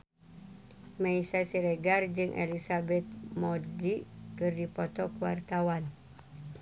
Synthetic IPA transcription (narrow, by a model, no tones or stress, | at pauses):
mãisasiɾeɡard͡ʒɨŋʔḛlisabɛt̪̚modiʔkɨrdipɔt̪ɔkəwa̰rt̪awan